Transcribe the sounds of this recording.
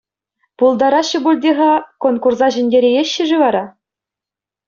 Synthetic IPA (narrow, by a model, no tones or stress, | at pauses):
pulˠd̪ɑɾɑɕːɘ̆bulʲdʲeʁɑkonkursɑʑɘ̆nʲdʲeɾʲejeɕːɘ̆ʐɘ̆ʋɑɾɑ